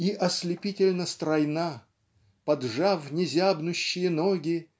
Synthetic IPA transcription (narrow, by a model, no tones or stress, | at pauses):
iʔɐsʲlʲɪpʲitʲɪlʲnəst̪ɾɐjna | pɐd̪ʐavnʲɪzʲabnʊɕːɪjənoɡʲɪ